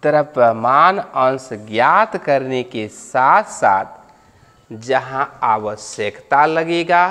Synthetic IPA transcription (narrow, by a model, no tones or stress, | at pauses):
t̪əɾəpɾəmanə̃nsɡjat̪kəɾnekesat̪ʰsa̰t̪ʰ | d͡ʒəɦãaʋəsjəkt̪aləɡeɡa